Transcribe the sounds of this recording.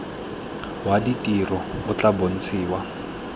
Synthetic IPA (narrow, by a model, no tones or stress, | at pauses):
waditʼirɔʊt͡ɬabon̩t͡sʰiːwa